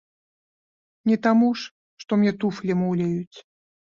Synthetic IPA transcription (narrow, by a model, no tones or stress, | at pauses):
nʲɛt̪amuʂ | ʂt̪ɔmnʲɛt̪uflʲɛmawlʲɛjut͡sʲ